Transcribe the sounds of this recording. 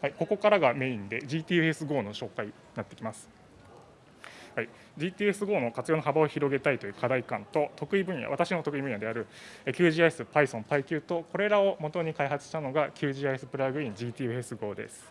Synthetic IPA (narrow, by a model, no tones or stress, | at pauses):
haiko̞ko̞kaɾaɡame̞ĩnd̪e̞d͡ʑiːt̪ʲiːɯesɨɡo̞ːno̞ɕo̞ːkai | nat̪ːekʲimasɨ̥ | hai | d͡ʑiːt̪ʲiːesɨɡo̞ːno̞kat͡sɨjo̞ːnoɦabao̞çiɾo̞ɡe̞t̪ait̪o̞jɯ̟ːkʰad̪aikãnt̪o̞t̪o̞kɯ̟ibɯ̟̃ja̰βat̪aɕino̞t̪o̞kɯ̟ibɯ̟̃ɰjad̪e̞aɾɯ̟ | ekʲɨːʑiːaesɨpaisõ̞mpaikʲɯ̟ːt̪o̞ko̞ɾe̞ɾao̞mo̞t̪o̞ɲ̟ikaiɦat͡sɨ̥ɕi̥t̪ano̞ɡakʲʰɨ̟ːʑiːaesɨ̥pɯ̟ɾaɡɯ̟ĩɲd͡ʑiːt̪ʲiːesɨɡo̞ːd̪e̞̰sɨ̥